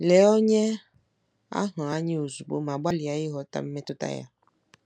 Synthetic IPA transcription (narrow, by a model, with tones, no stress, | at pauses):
lɛ˨˦wɔ˦ɲɛ˦ | a̰˦ɦɔ̃˨a˨˦ɲĩ˦wo˨zu˨bo̰˦m˨ã˨ba˦li˨a˨je˦ɦɔ˨t̪a̰˦m̩˦ɛ̃˦t̪o˦t̪a̰˦ja̰˨